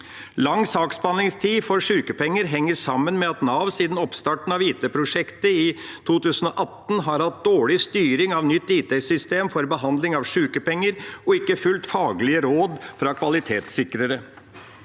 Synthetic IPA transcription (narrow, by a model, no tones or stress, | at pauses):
lɑŋːsɑːksbɑnɪŋst̪ʰiːfɔɾʂʉːkəpʰɛŋːəɾɦɛŋːəɾʂɑmːənmɛɑt̪nɑʋsiːd̪n̩ɔpst̪ɑːʈɳ̩ɑʋiːt̪eːpʰɾʊʂɛkt̪əɪt̪ʰuːt̪ʉːsənɔʔɑt̪ːn̩ɦɑɾhɑt̪̚d̪oːɭɪst̪yːɾɪŋɑʋnʏt̪ːiːt̪ʰɛsʏst̪eːmfɔɾbəɦɑnd̪lɪŋɑʋʂʉːkəpɛŋːəɾɔɪkːəfʉlt̪fɑːɡəlɪəɾoːd̪fɾɑkʰʋɑlɪt̪ʰeːt̪sɪkɾəɾə